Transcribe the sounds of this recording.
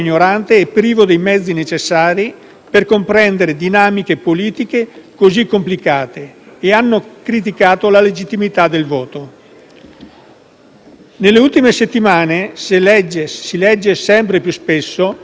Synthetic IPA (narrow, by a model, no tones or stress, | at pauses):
iɲːoɾant̪eːpːɾiːvod̪ejmɛd̪zːinet͡ʃesːaːɾi | perkompɾɛnd̪eɾed̪inaːmikepoliːt̪ikekozikːomplikaːt̪eːanːokɾit̪̬ikaːt̪olaled͡ʒit̪ːimit̪ad̪elvɔːt̪o | nelːeult̪imeset̪ːimaːneselɛd͡ʒesilɛd͡ʒːesɛmpɾepjuspesːo